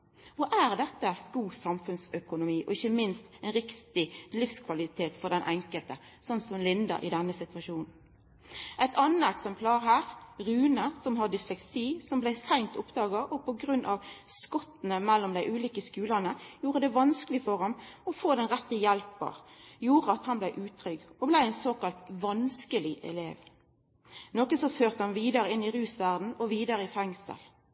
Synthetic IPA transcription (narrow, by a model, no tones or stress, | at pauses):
ʋɔʔæʁd̪ɛt̪ːəɡuːsɑmfʉnsœkʊnʊmiːʔɔ̰ɪçːəmɪnst̪æɪnɾɪkt̪ɪlɪfskʰʋɑlɪt̪ʰeːt̪fɔd̪ɛnʔɛŋkəlt̪ə | sɔnt̪sɔmlɪnd̪ə̰ɾʔɪ̰d̪ɛnːəsɪt̪ʋɑʃuːnn̩ | ʔɛɪt̪ʰɑnːəɛksɛmpʰlɑːɾɦæːʁɾʉːnəsɔmhɑd̪ɪslɛksiːsɔmblæɪsæŋt̪ʰʊpd̪ɑːɡəʔɔpʰɔɡɾʉnʔɑʋskɔt̪n̩əmɛlːɔmd̪æɪʔʉːliːkəskʉːlənəjuːʁəd̪ɛʋɑnskəlɪfɔʁɑmɔfoːd̪ɛnʁɛt̪ːəjɛlpə̰ʁjuːʁəɑt̪hɑnblæɪʔʉːt̪ʰʁʏɡɔblæɪæɪnsoːkɑlt̪ʋɑnskəlɪʔɛ̰lḛːʋ | noːkəsɔføːʁt̪əhɑnʋiːd̪əɾəɪnɪʁʉːsʋæʁd̪n̩ɔʋiːd̪əɾəɪfɛŋsə̰l